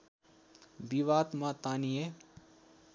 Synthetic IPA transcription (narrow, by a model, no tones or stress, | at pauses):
biʋaːt̪mãt̪aːnije